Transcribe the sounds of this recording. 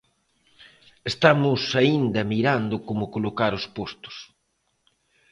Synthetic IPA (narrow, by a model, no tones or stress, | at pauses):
est̪amʊsaind̪ɐmiɾand̪ʊkomʊkolokaɾʊspost̪ʊ̥s